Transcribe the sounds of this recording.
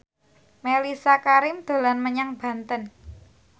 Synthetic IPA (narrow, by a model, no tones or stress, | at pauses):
melisakaɾɪmd̪̥o̤lanməɲaŋb̥a̤nt̪ən